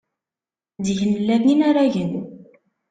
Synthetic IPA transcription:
d̪ʝənəlːævninaɾaʝən

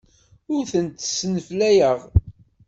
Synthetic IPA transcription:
ʊɾθənt̪sːənəflæjəʁ

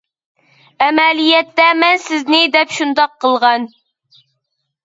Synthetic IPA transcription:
ɛmɛlijɛt̪ːɛmɛnsɪznɪd̪ɛpʃund̪ɑqʰːəlˠʁɑn

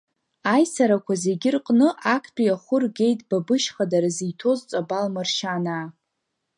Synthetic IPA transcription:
ajsaɾakʷʰaze̞ɡʲɪrqʼnɨʔakʰt͡pʲʼijaχʷʊrɡʲe̞jtʼb̥abɨʃχadaɾazijtʰo̞zt͡sʷʼabalmɨrʃanaː

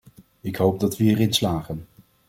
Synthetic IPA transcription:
ɪkɦowb̚dɑtʋəiːɾɪnslaːχən

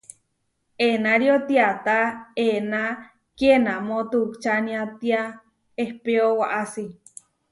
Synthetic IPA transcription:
enaɾiot̪iat̪aena | kenamõt̪ukt͡ʃanĩat̪ia | ehpeowaʔasi

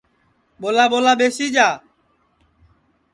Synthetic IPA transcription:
ɓoːlaːɓoːlaːɓeːsiːd͡ʒaː

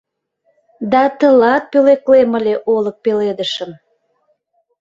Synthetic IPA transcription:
d̪ɑt̪əlɑt̪̚pøleklemə̆lʲeʔolək̚peled̪əʃəm

